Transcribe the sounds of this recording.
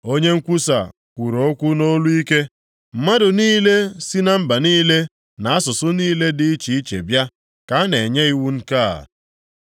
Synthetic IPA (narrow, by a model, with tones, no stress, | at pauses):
o˦ɲe˦ŋ̩˦kʷu˦sa̰˨ | kʷu˨ɾo˨˦kʷʊ˦no˦lu˦i˦ke˦ | m̩˨ma˦dʊ˨niː˦le˦si˦na˦m̩˦ba˨niː˦le˦ | na˨a˦sʊ˨sʊ˦niː˦le˦dɪ˨i˦t͡ʃi˨i˦t͡ʃḛ˨bja˦ | ka˨˦ne˨ɲe˦i˦wu˦ŋ̩˦ka˦˨a̰˨